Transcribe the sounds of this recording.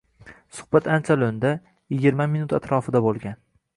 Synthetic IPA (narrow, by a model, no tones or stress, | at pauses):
sʊ̥hb̥at̪ʰant͡ʃʰalond̪a | jɪɡʲɪɾmamɪnʊt̪at̪ɾɒfɪd̪abolˠɡʲan